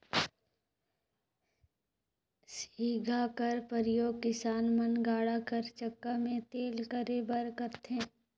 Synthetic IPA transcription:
siːɡʱakəɾpəɾɪjoːɡ̚kɪsaːnmənɡaːɽakəɾt͡ʃəkːamẽt̪eːlkəɾebəɾkəɾt̪ẽː

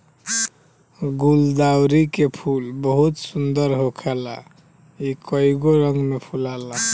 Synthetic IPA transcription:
ɡuld̪awɾikepʰulbəɦut̪sund̪əɾɦokʰɛla | ikəiɡoɾəŋɡmepʰulala

